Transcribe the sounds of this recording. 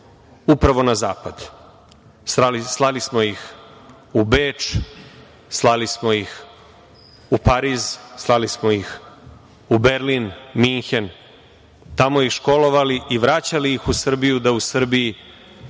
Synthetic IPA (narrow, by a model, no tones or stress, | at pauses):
upɾaʋo̞naza̰ːpad̪ | saslˠalismo̞jix | ubeːt͡ʂ | slˠalismojix | upaɾizslˠalismo̞jix | ubeɾlinmiŋxen | t̪amo̞jixʃko̞lo̞ʋaliʔiʋɾat͡ɕalijixusr̩bijud̪ausr̩biji